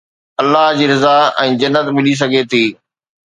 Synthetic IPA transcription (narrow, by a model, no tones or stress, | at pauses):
ɐlːaɦd͡ʑiːɾɪzaɛ̃ːd͡ʑɐnːət̪mɪlis̬ɐɡʱet̪ʰiː